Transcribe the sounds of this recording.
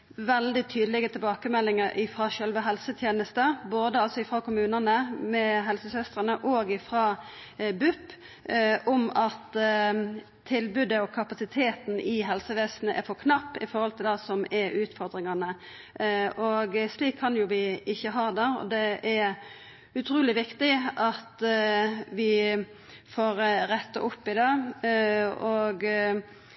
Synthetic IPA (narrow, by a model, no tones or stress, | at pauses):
ʋɛld̪ɪt̪ʰyːd̪əlɪɡət̪ʰɪbɑːkəmɛlːɪŋəɾʔɪfɾɑʃœlʋəɦɛlsət̪ʰjeːnəst̪əboːd̪əɑlsɔɪfɾɑkʰʊmʉːnənəmɛɦɛlsəsœst̪ʁənəʔɔːɡɪfɾɑ | bʉpː | ɔmɑt̪ | ɪlbʉd̪əɔkʰɑpɑsɪt̪ʰeːt̪nɪɦɛlsəʋeːsnəʔɛ̰ɾfɔɾkʰnɑpːɪ̰fɔɾhɔlt̪ʰɪld̪ɑːsɔmɛɾʉːt̪fɔɾd̪ɾɪŋɑnə | ɔɡsliːkʰːɑnjʊʋɪɪçːəɦɑːd̪æːɔ̰d̪ɛæɾ | ʉt̪ʰɾuːlɪʋɪkt̪ɪʔɑt̪ | ʋɪ | foːɾɾɛt̪ːɑ̰ʔʊpːɪd̪ɑː | ɔɡ